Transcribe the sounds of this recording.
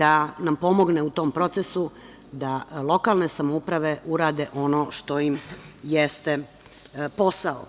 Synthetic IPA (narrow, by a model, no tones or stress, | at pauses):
d̪anampo̞mo̞ɡneut̪o̞ːmpɾo̞t̪sesu | d̪alˠo̞kalˠne̞samoupɾaʋe̞uɾaːd̪eʔo̞no̞ːʃt̪o̞jimjest̪e | po̞sao̰